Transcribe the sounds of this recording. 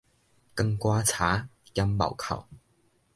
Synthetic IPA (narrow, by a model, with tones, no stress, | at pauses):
kɐ˧ŋkwaː˥t͡sʰaː˨˥jɐ˥mmɐ̰˨˩wkʰɐ̰˨˩w